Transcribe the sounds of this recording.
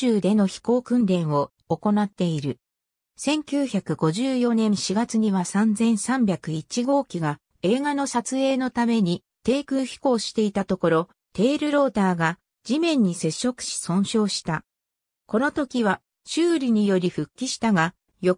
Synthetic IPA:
ɨːd̪e̞no̞çi̥ko̞ːkɯ̟̃nɾẽ̞ɰ̃o̞ː | ko̞nat̪ːe̞iɾɯ̟ | sẽ̞ŋkʲɨːçakɯ̟ɡo̞ʑɨːjo̞nẽ̞ɰ̃ɕiɡat͡sɨɲ̟iβasãnd͡zẽ̞ɰ̃sãmbʲjakɯ̟it͡ɕiɡo̞ːkʲiɡa | e̞ːɡano̞sat͡sɨe̞ːno̞t̪ame̞ɲ̟i | t̪e̞ːkɯ̟ːçi̥ko̞ːɕi̥t̪e̞it̪at̪o̞ko̞ɾo̞ | t̪e̞ːɾɯ̟ɾo̞ːt̪aːɡa | d͡ʑimẽ̞ɲ̟ːise̞ɕːo̞kɯ̥ɕi̥sõ̞ɰ̃ɕo̞ːɕi̥t̪a | ko̞no̞t̪o̞kʲiβa | ɕɨːɾʲiɲ̟ijo̞ɾʲiɸɯ̟kʲːiɕi̥t̪aɡa | jo

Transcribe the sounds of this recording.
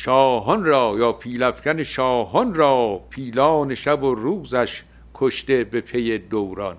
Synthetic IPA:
ʃɒːɦɔnɾɒːjɒːpʰiːlæfcæneʃɒːɦɔnɾɒːpʰiːlɒːne̞ʃæboruːzæʃ | kʰoʃt̪e̞bepʰejed̪owɾɒ̰n

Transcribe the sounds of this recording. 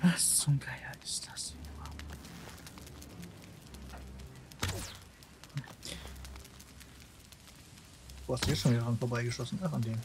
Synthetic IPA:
vast͡sʊmklajɐɪstḁsma | d̥uːhastd̥ujɛʃoːnvidəʁanfoːɐbaɪɡəʃɔsn̩aandeːm

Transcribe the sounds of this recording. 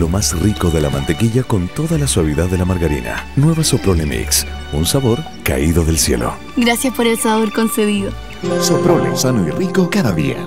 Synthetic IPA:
lo̞masriko̞ðelamã̰nt̪e̞kiʎako̞nt̪o̞ðalaswaβ̞iðaððːe̞lamaɾɣaɾḭna̰nwe̞βaso̞pɾolemḭks | unsaβo̞ɾ | ka̰iðo̞ðe̞lsje̞̰lʔo̰ | ɡɾasjaspoɾesaβoɾkonseβiðo | sopɾolḛsanoirikokaðaðḭa̰

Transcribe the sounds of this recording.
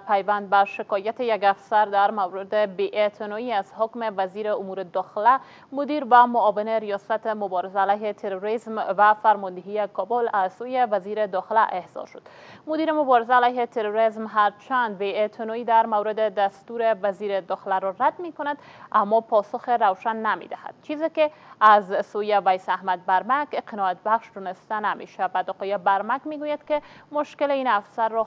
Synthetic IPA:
pajvand̪̚baʃɪkɔjat̪ejaɡafsaɾd̪aɾmawɾɪd̪ebeʔet̪ʰɪnɔiazhokmevaziɾeʊmuɾed̪ɒxɪla | mʊd̪iɾvamʊːvɪneɾijɒsat̪emʊbɔɾɪzaːlajɦet̪ʰeɾoɾizmvafaɾmɔnd̪eɦijekʰɔbolaz̥sojevaziɾed̪ɒxɪlaʔehz̥ɔ̰ɾʃo̥d̪ | mʊd̪iɾemʊbɔɾɪzaːlajɦet̪ʰeɾoɾezmɦaɾt͡ʃand̪̚beet̪ʰɪnɔid̪aɾmawɾɪd̪ed̪ast̪uɾevaziɾed̪ɔxɪlaɾɔɾad̪mekʊnad̪amːɔpɔsʊxeɾawʃanːamḛd̪aha̰d̪̥̚t͡ʃizekeazsojevajsahmad̪̚baɾmakqʰɪnɔat̪̚baxʃd̪ɔnɪst̪anamḛʃabad̪ɔqɔjebaɾmakmeɡujad̪kemʊʃkɪleinafsaɾːɔ

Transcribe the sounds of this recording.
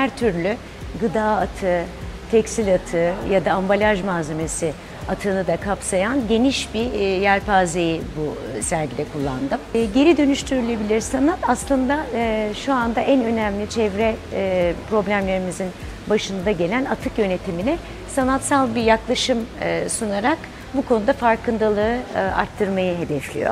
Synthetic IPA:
hæɾt̪ʰyɾlʲy | ɡɯd̪aːat̪ʰɯt̪ʰɛcsilʲat̪ʰɯjad̪aːmbalʲaʒmaːze̞me̞si | at̪ʰɯnɯd̪akʰapsajanɟe̞niʃbijæɾpʰaːze̞jibusæɾɟid̪ɛkʰulˠːa̰nd̪ɯmɟe̞ɾid̪ø̞nyʃt̪ʰyɾylʲe̞bilʲiɾsanat̪aslˠɯnd̪aʃuand̪aʔænø̞næmlʲit͡ʃʰɛvɾɛ | pɾo̞blʲæmlʲe̞ɾimizin | baʃɯnd̪aɟe̞lʲænat̪ʰɯkjø̞ne̞t̪ʰiminɛ | sanat̪salˠbiɾjaklˠaʃɯmsunaɾak | bukʰo̞nud̪afaɾkɯnd̪alˠɯɯa̰ɾt̪ʰːɯɾmajɯɦe̞d̪ɛflʲḭjo̰

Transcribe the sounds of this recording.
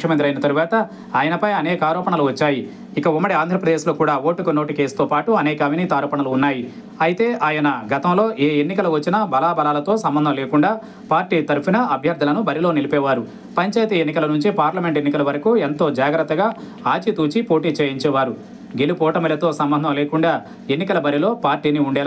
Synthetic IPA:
kjɐmɐnt̪iɾɐjinɐt̪ɐɾuʋaːt̪ɐ | aːjɐnɐpɐjɐnɛːkaːɾɔːpɐɳɐluʋɐt͡ʃːaːji | ikɐumːɐɽiaːnd̪ʱɾɐpɾɐd̪eːʃloːkuːɽaːʋo̞ːʈːukunoːʈikeːst̪oːpaːʈuɐnɛːkɐʋinit̪aːɾɔːpɐɳɐluːnːaːji | ɐjit̪e̞ːʔaːjɐnɐɡɐt̪ɐmlo̞ːʔeːenːikɐluʋɐt͡ʃːinɐbɐlaːbɐlaːlɐt̪o̞ːsɐmbɐnd̪ʱɐmleːkuɳɖaː | paːɾʈiːt̪ɐɾupinɐʔɐbʱjɐɾd̪ʱːɐlɐnubɐɾilo̞ːnilipɛːʋaːɾu | pɐɲt͡ʃaːjt̪ɐenːikɐlɐnuɲt͡ʃipaːɾlɐme̞ɳʈe̞nːikɐlɐʋɐɾɐkuːent̪o̞ːd͡ʒaːɡɾɐt̪ːɐɡaː | aːt͡ʃit̪uːt͡ʃipo̞ːʈiːt͡ʃeːjiɲt͡ʃɛːʋaːɾu | ɡelupɔːʈɐmɐlɐt̪o̞ːsɐmbɐnd̪ʱɐmleːkuɳɖaː | e̞nːikɐlɐbɐɾilo̞ːpaːɾʈːiːniuɳɖɛːla

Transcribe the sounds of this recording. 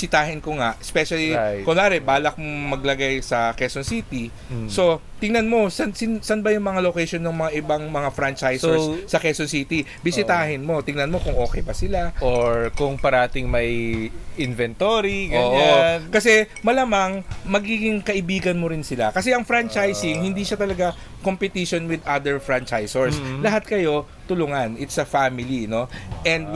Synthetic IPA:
sɪt̪aːɦɪnkoŋaʔʔɛspɛʃɐlikʊlaːɾɛbaːlɐk̚moŋmɐɡ̚lɐɡajsɐkɛsonsiːt̪i | so̞t̪ɪŋnɐnmo̞sɐnsɪnsɐnbɐjʊŋmɐŋalokɛjʃonːoŋmɐŋaʔɪbaŋmɐŋafɾant͡ʃajsɛssɐkɛsonsiːt̪ibɪsɪt̪aːhɪnmo̞t̪ɪŋnɐnmo̞kʊŋʔo̞ːkɛjbɐsɪlaʔoɹkʊŋpɐɾɐaːt̪ɪŋmɐjʔɪnvɛnt̪oɾiɡoːɲakɐsɛ | mɐlamaŋmɐɡiːɡɪŋkɐʔɪbiːɡɐnmoɾɪnsɪla̰kɐsɛʔɐŋfɾant͡ʃajsɪŋhɪnd̪iʃat̪ɐlɐɡa | kompɛt̪iʃonwɪd̪ʔad̪ɛɹfɹant͡ʃajsɛɹslɐɦat̪̚kɐjo̞ | t̪ʊlʊŋanɪt̪sɐfaːmɪlino̞ʔɛnd̪̚

